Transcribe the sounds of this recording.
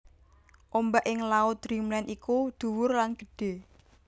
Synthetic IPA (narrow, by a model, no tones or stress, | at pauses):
ʔombaʔɪŋlaʊt̪̚dɾimlɛnʔikud̪̥ṳwʊrlanɡ̥ə̤ɖ̥e̤